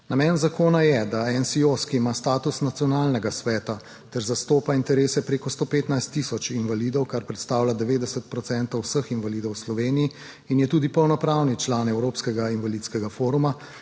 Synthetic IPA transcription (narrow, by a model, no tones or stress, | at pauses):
namɛːnzakoːnajɛd̪aɛnsioskiimast̪aːt̪usnat̪sijɔnaːlnɛɡasʋɛːt̪a | t̪ɛɾzast̪oːpaint̪ɛɾeːsɛpɾeːkɔst̪oːpeːt̪najst̪ːisɔt͡ʃinvaliːd̪ɔwkaɾpɾɛt̪st̪aːwlad̪ɛʋeːd̪ɛsət̪̚pɾɔt̪sɛnt̪ɔwsəxinvaliːd̪ɔwslɔʋeːniji | injɛt̪uːd̪ipɔwnɔpɾaːwnit͡ʃlaːnɛwɾoːpskɛɡainvalit̪skɛɡafoːɾuma